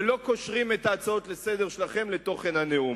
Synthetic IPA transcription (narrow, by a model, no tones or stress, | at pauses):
lo̞koʃʁimetaːt͡sao̞t̪lesed̪eʁʃelaχe̞mle̞to̞χe̞nhaneu